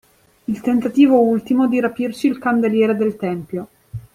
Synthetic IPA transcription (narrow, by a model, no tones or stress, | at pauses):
ilt̪ent̪at̪iːvoult̪imod̪iɾapirt͡ʃiːlkand̪eljɛːɾed̪elt̪ɛmpjo